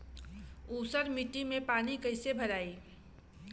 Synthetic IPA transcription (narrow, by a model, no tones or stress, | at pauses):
uːsəɾmiʈimẽpaːnikəɪsebʱəɾaːiː